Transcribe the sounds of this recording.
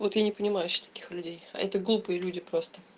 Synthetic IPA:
vo̞t̪janʲɪpənʲɪmajʊɕɪ̥xt̪ɐ̥kʲi̥xlʲʉdʲeja̰ʔɛt̪əɡlˠupɨjəlʲudʲɪpɾo̞st̪ə

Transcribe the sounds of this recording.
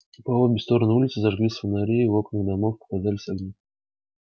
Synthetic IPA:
ʊpaobʲɪst̪o̞ɾənəulʲɪt̪sɨzɐʐɡlʲisʲfənaɾʲejo̞knɨɨd̪ɐmo̞fpə̥kazalʲɪsʲɐɡnʲi

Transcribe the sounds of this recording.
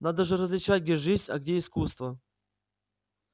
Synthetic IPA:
nad̪əʐɨɾəzʲlʲɪt͡ɕat̚ʲɡdʲeʐɨzʲnʲɐ̰ɡdʲeɪskust̪və

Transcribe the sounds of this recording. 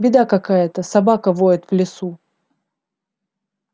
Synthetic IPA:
bʲɪd̪akɐkajət̪əsɐbakəvoɪt̪vlʲɪsu

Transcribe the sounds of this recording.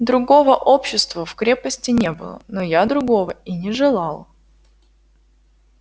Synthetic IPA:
d̪ɾʊɡo̞vəʔopɕːɪst̪vəfkɾʲe̞pəsʲtʲɪnʲebɨ̰lˠə̰nojad̪ɾʊɡo̞vəinʲɪʐɨlˠɑlˠ

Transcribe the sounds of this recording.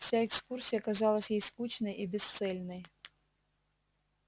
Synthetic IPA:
sʲaɛkskursʲijɐkazɑlˠɐsʲjejskut͡ɕnɐjibʲɪst̪sɛlʲnɐj

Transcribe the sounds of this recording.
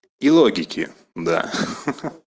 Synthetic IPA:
ilˠoɡʲɪkʲʰɪ̰ | d̪a̰

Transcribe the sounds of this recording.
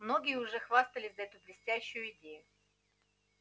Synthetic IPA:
mno̞ɡʲɪjəʊʐɛxvast̪əlʲɪsʲzɐɛt̪ʊblʲɪsʲtʲæɕːʊjʊɪdʲejʊ

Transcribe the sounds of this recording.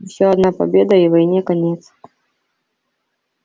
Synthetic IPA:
wsʲɔɐd̪napa̰bʲed̪ɐivajnʲɛkanʲɛt̪s

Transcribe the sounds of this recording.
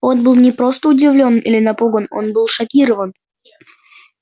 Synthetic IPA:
onbɨlˠnʲɪpɾo̞st̪əʊdʲɪvlʲo̞nilʲɪnɐpuɡəno̞̰nbɨlˠʂɐkʲiɾəvən

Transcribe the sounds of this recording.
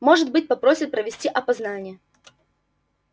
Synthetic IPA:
mo̞ʐɨt̪̚bɨt̚ʲpɐpɾo̞sʲɪt̪̚pɾəvʲɪsʲtʲiʔɐpɐznanʲɪjə

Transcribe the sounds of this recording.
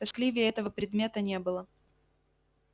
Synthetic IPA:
ɐsklʲivʲɪɛt̪əvəpɾʲɪd̪mʲe̞t̪ənʲe̞bɨlˠə

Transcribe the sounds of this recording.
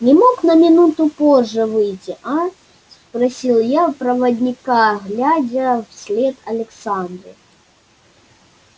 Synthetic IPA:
nʲɪmoknɐmʲɪnut̪ʊpoʐːɛvɨjtʲiʔa | spɾɐsʲilˠjapɾɐvɐdʲnʲɪkaɣlʲad͡zʲɐfsʲlʲɛt̪ɐlʲɛksand̪ɾɨ

